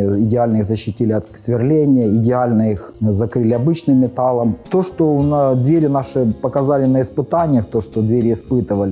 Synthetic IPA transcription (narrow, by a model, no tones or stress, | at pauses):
ɪdʲɪalʲnəiɣzəɕːɪtʲilʲɪɐt̪svʲɪrlʲenʲɪjəɪdʲɪalʲnəix | zɐkɾɨlʲɪɐbɨt͡ɕnɨmːʲɪt̪alˠəmt̪o̞ʂt̪onɐd̪vʲeɾʲɪnaʂɨpəkɐzalʲɪnəɪspɨt̪anʲɪjəxt̪oʂt̪od̪vʲeɾʲɪɪspɨt̪ɨvəlʲɪ